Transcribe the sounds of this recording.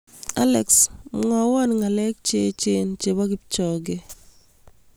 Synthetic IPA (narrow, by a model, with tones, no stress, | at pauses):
a˦lɛ˨ksŋɔ˨wɔ˦nŋa˨lɛ˦k̚t͡ʃe˦t͡ʃe˦nt͡ʃe˨ba˦kɪ˦p̚t͡ʃɔ˨ɡe˦